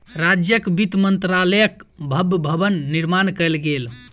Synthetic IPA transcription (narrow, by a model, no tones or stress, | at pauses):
ɾad͡ʒjəkbit̪mənt̪ɾaləjəkbʱəbʱbʱəbənːiɾmankɛlɡel